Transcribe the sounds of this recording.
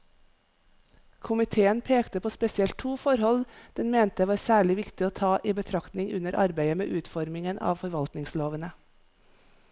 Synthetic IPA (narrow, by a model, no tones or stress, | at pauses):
kʰʊmɪt̪ʰeːənpʰeːkt̪əpʰoːspɛsɪɛlt̪ʰuːfɔɾhɔld̪̥ɛnmeːnt̪əʋɑːɾsæːɭɪʋɪkt̪ɪoːt̪ʰɑːʔiːbət̪ʰɾɑkt̪nɪŋʉ̰nəɾʔɑ̰ɾbæɪəmḛːʔʉːt̪fɔɾmɪŋənʔɑ̰ːʋfɔɾʋɑlt̪nɪŋsloːʋənə